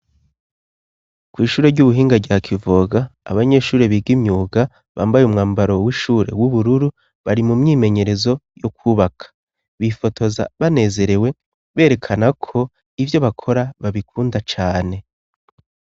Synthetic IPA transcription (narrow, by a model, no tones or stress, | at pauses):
kwiːʃuːɾe̞ɾɟuβuɦiːŋɡaɾɟaːkʰivoɡa̰ːβaɲe̞ːʃuːɾeβiɡimɲuːɡa | βa̰ːmbajumŋaːmbaɾo̞wiʃuːɾe̞̰wuβuɾuɾu | βaɾimumɲiːme̞ɲe̞ɾe̞zo̞jokʰuːβakʰḁ | βifo̞tʰo̞za̰βane̞ːze̞ɾe̞we̞ | βe̞ːɾe̞kʰanakʰo̞ | ivjo̞βakʰo̞ɾaβaβikʰuːndat͡ʃaːne̞